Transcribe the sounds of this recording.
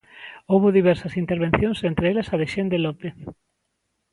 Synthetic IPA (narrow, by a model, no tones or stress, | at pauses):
owβʊðiβ̞ɛɾsɐsint̪eɾβẽnθjõŋsent̪ɾeelɐsaðeʃend̪elopeθ